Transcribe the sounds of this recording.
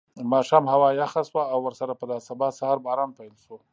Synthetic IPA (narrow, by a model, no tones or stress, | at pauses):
mɑʃɑmhawɑjaxaswaːwːəɾsaɾapəd̪asabɑsahɑɾbɑɾɑnpajlʃo